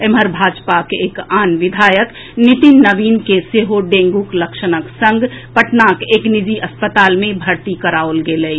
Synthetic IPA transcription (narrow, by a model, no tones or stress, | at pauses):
eməɾbʱaːd͡ʒpakeːkaːnʋɪd̪ʱaːjək | nit̪inːəbiːnkeseɦoɖẽːŋɡukləkʃənəksə̃ŋɡʱpəʈnaːkeːknid͡ʒiʔɐspət̪aːlmẽbʱəɾt̪ikəɾaolɡeləi